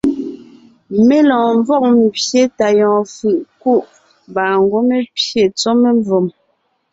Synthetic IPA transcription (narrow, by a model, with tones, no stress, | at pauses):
me˦lɔ̃ː˨ɱvɔ˦˨ʔ̚m˨pje˦ta˨jɔ̃ː˨fɯ˨ʔku˦˨ʔ | baː˨ŋ˦ɡwo˦me˦pje˨t͡so˦me˦ɱvo˨m